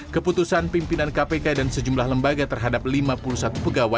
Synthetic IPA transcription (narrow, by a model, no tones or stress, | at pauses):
kəput̪usanpimpinankapekadansəd͡ʒumlahləmbaɡat̪ərɦadap̚limapulusat̪upəɡawa